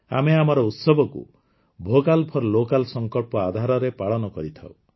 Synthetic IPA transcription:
a̰meamɔɾɔut̪sɔbʱɔkṵ | bʱokalpʰɔɾlokalsɔŋkɔɭpɔad̪ʱaɾɔɾepaɭɔnɔkɔɾit̪ʰa̰w

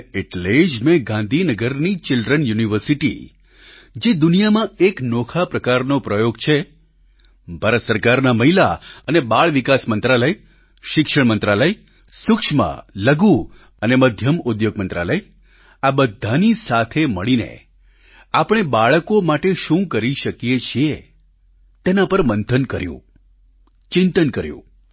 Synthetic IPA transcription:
eʈled͡ʒmẽɡãnd̪ʱinəɡəɾnit͡ʃɪlɖɾənjuniʋəɾsiʈḭ | d͡ʒed̪unijamãeknokʰapɾəkaɾnopɾəjoɡ̚t͡ʃʰe | bʱaɾət̪səɾkaɾnaməɦilaənebaɭʋikasmənt̪ɾaləj | ʃɪkʃəɳmənt̪ɾaləj | sʊkʃma̰ləɡu | əneməd̪ʱjəmud̪joɡ̚mənt̪ɾa̰ləj | abəd̪ʱːanisat̪ʰeməɭinḛ | apɽ̃ebaɭəkomaʈeʃũkəɾiʃəkjet͡ʃʰie | t̪enapəɾmənt̪ʰənkəɾjṵ̃ | t͡ʃɪnt̪ənkəɾjṵ̃

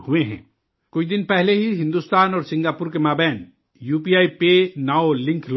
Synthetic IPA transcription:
huẽɦɛ̰̃ | kʊid̪inpɛɦleɦiɦɪ̃nd̪ust̪aːnɔːɾsĩŋɡaːpuɾkemaːbɛːn | juːpiaːipenaolĩŋkʰl

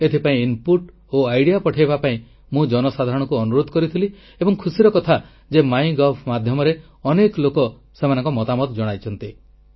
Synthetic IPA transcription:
et̪ʰipaĩinpuʈ | oajɽijapɔʈʰajbapaĩ | mũd͡ʒɔnɔsad̪ʱaɾɔɽ̃ɔkuɔnuɾod̪ʱkɔɾit̪ʰili | ebɔŋkʰusiɾɔkɔt̪ʰa | d͡ʒemaj̃ɡɔpʰmad̪ʱjɔmɔɾe | ɔneklokɔ | semanɔŋkɔmɔt̪amɔt̪d͡ʒɔɽ̃ajt͡ʃʰɔnt̪i

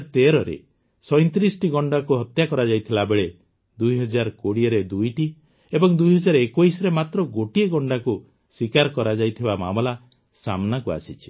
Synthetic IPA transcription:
t̪eɾɔɾḛ | sɔjnt̪ɾisɔʈiɡɔɳɖakuɦɔt̪jakɔɾad͡ʒajt̪ʰilabeɭe | d̪ujɦɔd͡ʒaɾkoɽiɔɾed̪ujʈi | ebɔŋd̪ujɦɔd͡ʒaɾekojsɔɾemat̪ɾɔɡoʈieɡɔɳɖaku | swikaɾkɔɾad͡ʒajt̪ʰibama̰mɔla | samnakua̰sit͡ʃʰi̥

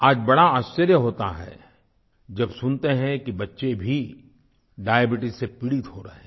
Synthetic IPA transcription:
aːd͡ʒbɐɽaaːst͡ʃəɾjəɦoːt̪a̰ɦɛ̰ | d͡ʒɐbsʊnt̪eɦɛ̃kibɐtːʃebʱi | ɖaːjəbɪʈɪsːepɪɽit̪ɦhoɾɐɦẽː

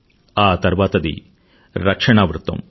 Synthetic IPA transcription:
aːt̪ɐɾʋaːt̪ɐd̪ḭ | ɾɐkʂɐɳaːʋɾut̪ːɐ̰m

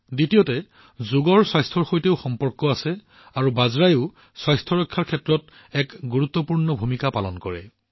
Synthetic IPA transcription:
ditijɔtɛ | zuɡɔɹswajstʰɔɹxojteʊxɔmpɔɹkɔasɛ | aɹubazɹajʊ | swajstʰɔɹɔjkʰːaɹkʰɛtɹɔt | ɛkɡuɹut̪ːɔpuɹnɔbʱumikapalɔnkɔɹɛ̰

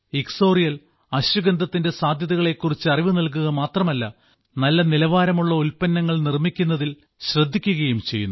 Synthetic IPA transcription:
ikso̞ːrijɐl | ɐɕɐɡɐnd̪ɐt̪ːinde̞saːd̪ʱjɐðɐɣɐɭe̞kːurit͡ɕːɨɐriʋɨnɐlk̬uɣɐmaːt̪rɐmɐlːɐ | nɐlːɐnilɐʋaːɾɐmuɭːɐulpɐnːɐŋːɐɭnirmikʲːunːɐðil | ɕrɐd̪ʱːikʲːuɣɐjumt͡ɕe̞jːunː

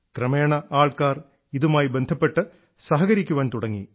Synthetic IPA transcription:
krɐmeːɳɐʔaːɭkaːr | iðumaːjibend̪ʱɐpːe̞ʈːɨ | sɐɦɐɣɐɾikʲːuʋaːnt̪uɽɐŋːḭ

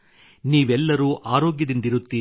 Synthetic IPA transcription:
niːʋɛlːɐɾuːʔaːɾoːɡjɐd̪ind̪iɾut̪ːiː

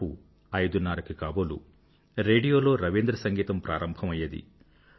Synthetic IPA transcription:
u | ɐjd̪unːaːɾɐkikaːbolṵ | ɾe̞ːɖijo̞ːlo̞ːɾɐʋiːnd̪ɾɐsɐŋɡiːt̪ɐmpɾʔa̰ːɾɐmbʱɐmɐjɐd̪ḭ

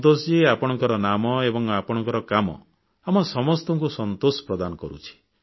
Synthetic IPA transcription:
t̪osd͡ʒiapɔɽ̃ɔŋkɔɾɔnamɔebɔŋapɔɽ̃ɔ̃ŋkɔɾɔkamɔ̰ | amɔsɔmɔst̪ɔŋkusɔnt̪osɔ̥pɾɔd̪anɔkɔɾṵt͡ʃʰi̥

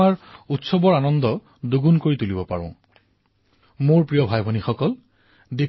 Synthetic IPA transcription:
aɹutsɔbɔɹanɔndɔ | duɡunkoɹit̪ulibɔpa̰ɹʊ̰̃ | moɹpɹijɔbʱajbʱɔnixɔkɔl | di

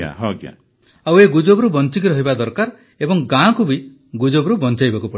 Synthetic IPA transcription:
ã̰ɦɔɡa̰ | aweɡud͡ʒobɾubɔnt͡ʃikiɾɔɦibad̪ɔɾkaɾ | ebɔŋɡãkubi | ɡud͡ʒobɾubɔnt͡ʃajbakupɔɽi

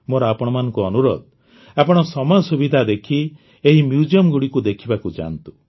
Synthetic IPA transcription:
moɾɔapɔɽ̃ɔmanɔ̃ŋkuɔnuɾɔ̰d̪̚ | apɔɽ̃ɔsɔmasubid̪ʱad̪ekʰi | eɦimjud͡ʒiɔmɡuɽikud̪ekʰibakud͡ʒa̰nt̪u̥

